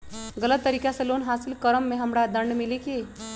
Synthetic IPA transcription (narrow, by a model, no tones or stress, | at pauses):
ɡələt̪ːəɾikjasəlonɦasilkəɾəmːeɦəmɽad̪əɳɖmilike